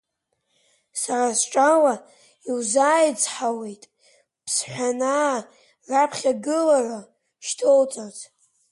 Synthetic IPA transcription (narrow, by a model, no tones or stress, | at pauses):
sarasʈ͡ʂʼawa | iwzaːjt͡sħawe̞jtʼ | pʰsħʷᶣanaː | rapʰχʲaɡɨlara | ʃtʰowt͡sʼaz